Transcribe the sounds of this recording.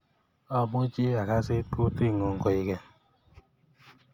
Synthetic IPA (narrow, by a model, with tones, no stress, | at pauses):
ɔ˦˨bʊ˦d͡ʒi˦a˨ka˦sɪ˦tu˦ti˦˨ŋo˨ŋ̩˨kɔ˦i˦kɛ˦